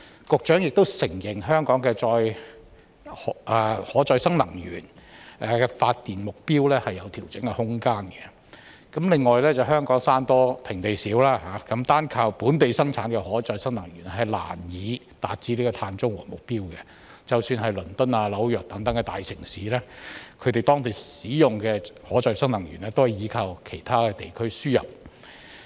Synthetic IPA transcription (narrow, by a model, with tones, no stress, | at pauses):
kʊ˧k̚t͡ʃœː˨˥ŋjɪ˨k̚t̪o˥wsɪ˨˩ŋjɪ˨˩ŋɦœː˥ŋkɔː˨˥ŋkɛː˧t͡sɔː˧j | hɔʔɛː˨˩hɔː˨˥t͡sɔː˧jsɐ˥ŋlɐ˨˩ŋjyː˨˩nʔɛː˨kɛ˧faː˧t̚t̪iː˨˩nmʊ˨k̚piː˥wlɛː˥hɐ˨jːɐ˨˧wt̪ʰi˨˩wt͡sɪ˨˥ŋkɛ˧hʊ˥ŋkaː˥nɡɛ˨ | kɐ˨˥mlɪ˨ŋːɔː˨jlɛː˥t͡sɐ˨wɦœː˥ŋkɔː˨˥ŋsaː˥nt̪ɔː˥t̪ʰɪ˨˩ŋt̪e˨jsiː˨˥wlaː˥ɦaː˨˥kɐ˨˥mt̪aː˥nkʰaː˧wpuː˨˥nt̪e˨jsɐ˥ŋt͡sʰaː˨˥nkɛ˧hɔː˨˥t͡sɔː˧jsɐ˥ŋnɐ˨˩ŋjyː˨˩n˥hɐ˨˩jla̰ː˨˩njiː˨˧ | t̪aː˨t̚t͡siː˧˥li˥kɔ˧t̪ʰaː˧nt͡sʊ˥ŋwɔ̰ː˨˩mʊ˨k̚piː˥wkɛ˧ | t͡sɐ˨wsyː˧nɦɐ˨jlɵ˨˩nt̪ʊ˥naː˧lɐ˨˥wjœː˨k̚t̪ɐ˨˥ŋt̪ɐ˨˥ŋkɛ˧t̪a̰ː˨jsɪ˨˩ŋsiː˨˦lɛ˥kʰɵ˨˧t̪e˨jt̪ɔː˥ŋt̪e˨˩jsiː˨˥jʊ˨ŋkɛː˧hɔː˨˥t͡sɔː˨˧jsɐ˥ŋlɐ˨˩ŋjy̰˨˩nɛː˥t̪o˥whjiː˨˧˥kʰaː˨˧wkʰe˨˩jt̪ʰaː˥kɛː˧t̪e˨jkʰɵ˥ɥsyː˥jɐ̰˨p̚